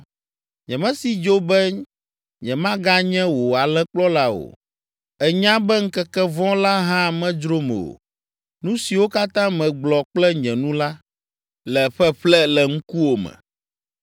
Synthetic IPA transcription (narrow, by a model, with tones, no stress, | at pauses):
ɲɛ̃˨mɛ̃˦si˨d͡ʒo˦bɛ˦ | ɲɛ̃˨mã˦ɡa˦ɲɛ̃˦wo˨a˨lɛ˦k͡plɔ˦la˦o̰˨ | ɛ˨ɲã˦bɛ˦ŋ̩˦kɛ˦kɛ˦vɔ̃˦la˦ɦã˦˨mɛ̃˦d͡ʒɾo˦mɛ̰˨o̰˨ | nũ˦si˨wo˦ka˦t̪ã˦mɛ̃˨ɡ͡blɔ˨k͡plɛ˦ɲɛ̃˨nũ˦la˦ | lɛ˨ɸɛ˦ɸlɛ˦lɛ˨ŋ̩˦ku˦wo˨mɛ̰̃˨